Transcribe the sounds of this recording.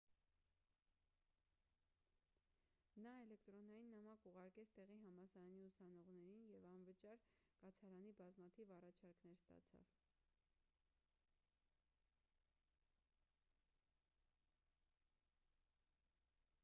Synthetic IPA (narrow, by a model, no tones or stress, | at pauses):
nɑɛlɛkt̪ɾɔnɑjinːɑmɑkuʁɑɾkɛt͡sʰt̪ɛʁiɦɑmɑsɑɾɑniusɑnɔʁn̪ɛɾinjɛvɑnvət͡ʃɑɾkɑt͡sʰɑɾɑnibɑzmɑt̪ʰivɑrɑt͡ʃʰɑɾknɛɾst̪ɑ̰t͡sʰɑ̰v